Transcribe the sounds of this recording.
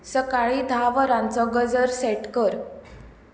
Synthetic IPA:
səkaɭiːd̪ʱaʋəɾãnt͡sɔɡəd͡zəɾsɛʈkəɾ

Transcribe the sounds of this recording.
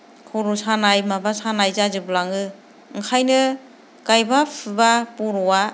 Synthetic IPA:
kʰɔɾusanajmabasanajzazɯblaŋɯ | ŋkʰajnɯ | kajbapʰɯbapuɾɔwa

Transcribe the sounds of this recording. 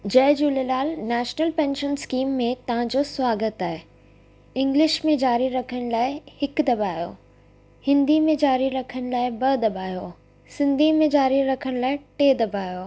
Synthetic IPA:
d͡ʑɐːd͡ʑulelaːlnɛːʃnəlpɛ̃ːnʃənskiːmːẽt̪ɐʋãd͡ʑoswaːɡət̪aːɦe | ɪ̃ŋɡlɪʃmẽd͡ʑaːɾiɾɐkʰəɽ̃laːɪhɪkd̪ɐbʱaːjo̰ː | hɪ̃nd̪ʱimẽd͡ʑaːɾiɾɐkʰəɽ̃̆laːɪbɐd̪ɐbʱaːjo | sɪ̃nd̪ʱimẽd͡ʑaːɾiɾɐkʰəɽ̃laːɪʈeːd̪ɐbʱaːjoː

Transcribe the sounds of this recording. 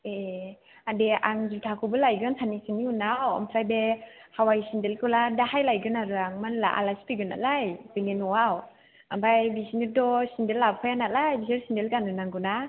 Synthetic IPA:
e | adeʔaŋzitʰakʰɯbɯlajɡɯnsʰanisiniunawɔ̰mpʰɾajbe | hawajsindelkɯladahajlajɡɯnaɾɯaŋmanla̰ʔa̰lasi̥piɡɯna̰lajz̥iŋenuaw | ambajbisinidɔsindelːapkʰɔjanat̚lajbisiɾsindelɡanɯnaŋɡɯna

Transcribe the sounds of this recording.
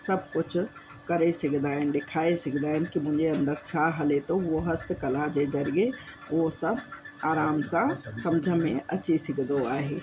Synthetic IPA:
səbʱkʊt͡ʃʰ | kəɾesɪkd̪aːɪnd̪ekʰaːesɪkʰd̪aːɪnkimʊ̃ɦd͡ʒeə̃nd̪əɾt͡ʃʰaɦəlet̪oʋoɦəst̪ʰkɐlad͡ʒed͡ʒəɾije | osəb | aːɾaːmsãsɐmd͡ʒʱəmḛ̃ɐt͡ʃesɪkd̪oaːɦeː

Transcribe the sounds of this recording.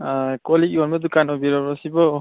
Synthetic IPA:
kɔlikiɔnmɔdukanɔbiɾɔɔsibɔ

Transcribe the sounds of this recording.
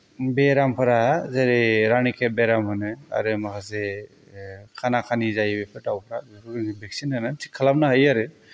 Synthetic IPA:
beɾampʰɯɾazeɾiɾanikʰebeɾamhɯnɯa̰ɾɯmakʰas̬e | kʰanakʰanizajbepʰɯtawpʰɾazɯkuɾɯŋibʱɛk̚sinɯnɯtʰi̥kʰːalap̚naɦajaɾɯ

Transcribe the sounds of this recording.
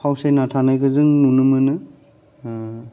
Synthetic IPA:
pʰawsejnatʰanajɡɯzɯŋnunɯmɯnɯ

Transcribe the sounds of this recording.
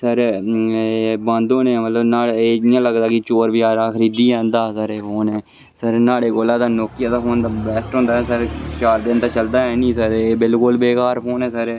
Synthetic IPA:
səɾ | bãːnd̪õːnẽːmət̪ləbnaːleːɪjãːləɡd̪aːkɪt͡ʃoːɾbɪjaːɾaːkʰəɾiːd̪iːɛ̃ːnd̪aːsəɾeːɦoːnɛː | səɾnaːɽeːkoːlaːd̪aːnoːkɪjaːd̪aːɦoːnd̪aːbɛːsʈɦõːnd̪aːɛsəɾt͡ʃaːɾd̪ent̪aːt͡ʃəld̪aːɦɛːnĩːsəɾeːbɪlkʊlbeːkaːɾpoːnɛ̃ːsəɾ

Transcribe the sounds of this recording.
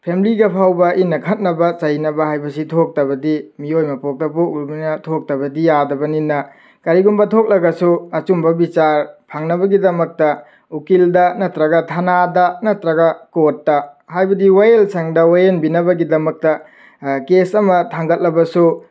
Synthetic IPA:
pʰemiliɡɐpʰawbɐʔinɐkʰɐt̚nɐbɐt͡ʃɐjnɐbɐɦajbɐsitʰok̚tɐbɐdimiojmɐpok̚tɐp̬ok̚luminɐtʰok̚tɐbɐdijadɐbɐninːɐ | kɐɾiɡumbɐtʰok̚lɐɡɐsuɐt͡ʃumbɐbit͡ʃaɾpʰaŋnɐbɐɡidɐmɐk̚tɐ | ukildɐnɐtɾɐɡɐtʰanadɐnɐtɾɐɡɐkotːɐhajbɐdiwajelsʰɐŋdɐwajenbinɐbɐɡidɐmɐk̚tɐ | kesɐmɐtʰaŋɡɐt̚lɐbɐsu

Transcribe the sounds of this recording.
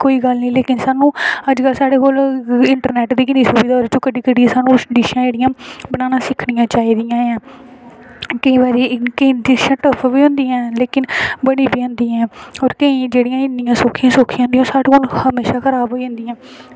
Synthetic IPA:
koːiːɡəlnĩːleːkɪnsaːnũːəd͡ʒkəlsaːɽeːkoːlɪɳʈəɾnɛːʈd̪iːkɪniːsuːbiːd̪aːɔːɾt͡ʃõːkəɖiːkəɖiãːsaːnũːɖiːʃãːd͡ʒeːɽɪjãːbənaːnãːsɪkʰɽijãːt͡ʃaːiːd̪ɪjãːãː | kəĩːbaːɾiːkəĩːɪʃãːʈəpʰʋiːɦʊ̃nd̪iːãːleːkɪnbəɽiːbiːõːnd̪iːaɛ̃ːɔːɾkəĩːd͡ʒeːɽɪjãːɪnːɪjãːsoːkʰːjãːsoːkʰijãːnd̪ij̃oːsaːɽekoːlhəmeːʃaːkʰəɾaːbɦoːiɦʊ̃nd̪iːãː

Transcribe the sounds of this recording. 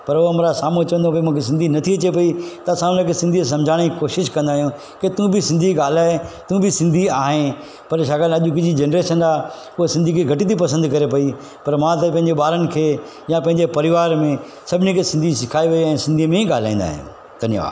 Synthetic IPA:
pɐɾooɐmɾasaːmut͡ɕɐʋə̃nd̪õpɐimũːkʰes̬ɪ̃nd̪ʱinɐt̪ʰiɐt͡ɕepɐit̪ɐsaːmnakʰesɪ̃nd̪ʱis̬ɐ̃md͡ʑʱaːɽ̃ikoːʃɪʃkɐ̃nd̪aːɦijũ | ket̪ũbɪsɪ̃nd̪ʱiɡaːl̤aːɦet̪ũbɪsɪ̃nd̪ʱiaːɦẽ | pɐɾʃ̬aːɡalɐʄʊkɪd͡ʑid͡ʑenɾeːʃəndaː | kʊesɪ̃nd̪ʱikʰeɡʱɐʈit̪̬ipɐsə̃nd̪kɐɾepɐi | pɐɾmãt̪̬ɐpɐ̃ɦɪ̃ɲd͡ʑeɓaːɾənɪ̆kʰeː | jãpɐ̃ɪ̃ɲd͡ʑepɐɾɪʋaːɾmẽ | sɐbʱɪnikʰesɪ̃nd̪ʱisɪkʰaːiʋɐiɛ̃ːsɪ̃nd̪ʱimẽĩɠaːl̤a̰ːĩːnd̪a̰ːɦijṵ̃ː | d̪ʱɐnj̰ʋa̰ː

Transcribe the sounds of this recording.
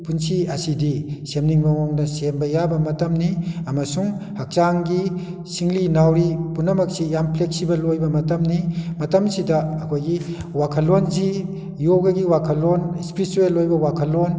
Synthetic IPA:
punsiɐsidisemniŋbɐŋɔŋdɐsembɐjabɐmɐtɐmniɐmɐsuŋhɐk̚t͡ʃaŋɡisiŋlinawɾipunɐmɐk̚sijampʰleksibɐlːojbɐmɐtɐmnimɐtɐmsidɐːkʰojɡiwakʰɐlonzi | joɡɐɡiwakʰɐlonspiɾisuelːojbɐwakʰɐlon

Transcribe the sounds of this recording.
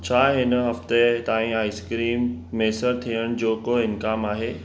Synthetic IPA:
t͡ɕʰaːɦɪn̆ɦɐft̪et̪aːĩaːiskɾiːmːeːsəɾt̪ʰiːəɽ̃d͡ʑoːkoɪnkaːmaːɦeː

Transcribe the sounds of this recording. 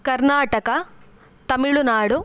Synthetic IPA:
kɐɾnaːʈɐkɐ | t̪ɐmiɭunaːɽu

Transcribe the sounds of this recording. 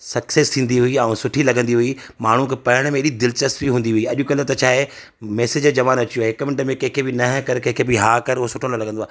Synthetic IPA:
sɐksest̪ʰĩːn̆d̪iɦʊiãːũsʊʈʰilɐɡʱə̃nd̪iɦui | maːɳ̤ukʰepɐɾəɽ̃mẽɪɗid̪ɪlt͡ɕɐst̪biɦũːnd̪iɦuiːɐʄʊkɐlət̪ɐt͡ɕʰaːɦe | mɛːsɪd͡ʑd͡ʑɐʋaːnɐt͡ɕijoɦɪkmɪ̃ɳʈmẽkɐ̃ɦɪ̃kʰebɪnɐɦkɐɾkɐ̃ɦkʰebɪɦaːkɐɾʊɦsʊʈʰolɐlɐɡʱə̃nd̪oaː

